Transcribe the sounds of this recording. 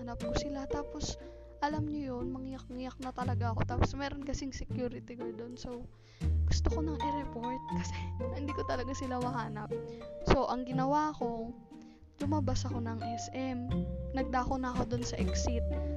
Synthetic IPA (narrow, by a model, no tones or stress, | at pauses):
nɐp̚kosɪlat̪aːpo̞s | ʔɐlamɲojo̞nmɐŋɪjɐk̚ŋɪjɐk̚nɐt̪ɐlɐɡaʔɐko̞t̪aːposmɛːɾo̞nkɐsɪŋsɛkjuːɾɪt̪ɪkod̪o̞nso̞w | ɡ̥ʊst̪oko̞nɐŋʔɛɾɛpoɹt̪̚kɐsɛhɪnd̪iːkot̪ɐlɐɡasɪlawɐɦaːnɐp̚so̞ʔɐŋɡɪnɐwaɐko̞ | lʊmɐbasɐko̞nɐŋʔɛsʔɛmnɐɡ̚d̪aːkonɐːko̞d̪onsɐʔɛksɪt̪̚